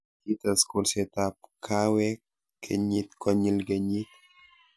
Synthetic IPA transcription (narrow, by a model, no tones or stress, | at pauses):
kit̪askulset̪apkʰawɛ | kʰeɲit̪kʰɔɲilɡeɲit̪